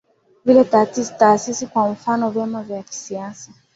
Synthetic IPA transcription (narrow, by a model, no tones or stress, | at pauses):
vilɛtaːtisi̥taːsisikwaɱ̩fanɔvjamavjaki̥siasa